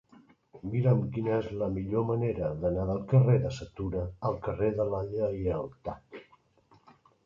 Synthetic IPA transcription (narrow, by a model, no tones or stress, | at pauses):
miɾəmkinəɛzləmiʎoməneɾəðənaðəlˠkəreðəsət̪uɾəːlˠkəreðəlaʎəiəlˠt̪ak